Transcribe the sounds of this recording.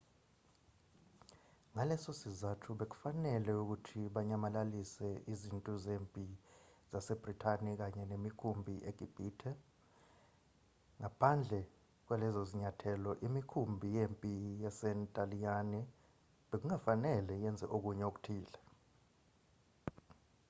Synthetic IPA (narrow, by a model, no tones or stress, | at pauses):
ŋalɛsosizatʰuɓek̬u̥fanɛlɛuk̬utʰiɓaɲamalalisɛʔizintʼuzeːmpʼizasɛb̥ritʰanik̬aɲɛnemikʰumbʱiʔeɡ̥ʱib̥ʱiːtʰɛ | ŋapʰand͡ɮʱɛ | k̬wɛlɛzoziɲatʰɛlɔʔimikʰumbʱijeːmpʼijasɛntʼalijanɛ | ɓek̬uŋafanɛlɛjɛnd͡zʱɛ̰ʔok̬uɲɛok̬u̥tʰiːlɛ